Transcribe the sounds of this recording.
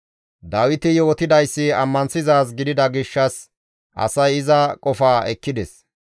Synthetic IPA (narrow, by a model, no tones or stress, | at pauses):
d̪aːwɪt̪ɪjo̞ːt̪ɪd̪ɐjsːɪɐmːɐnsɪzaːs̬ɡɪd̪ɪd̪ɐɡɪʃːɐs | ʔɐ̰sɐjɪzɐkʼɔfaːɛkːɪd̪ɛs